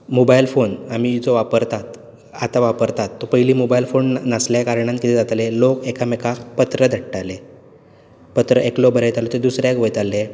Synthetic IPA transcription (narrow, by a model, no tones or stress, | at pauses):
mobailfonamid͡zoʋapəɾt̪at̪ | at̪aʋapəɾt̪at̪ːɔpəɦiliːmobailfonnasljakaɾɳ̃ãnkit̪ʰed͡zat̪lelokekamekʰapət̪ɾəd̪ʱəʈʈale | pət̪ɾəʔeklobʱəɾajt̪alot̪ed̪usɾjakʋəjt̪alːe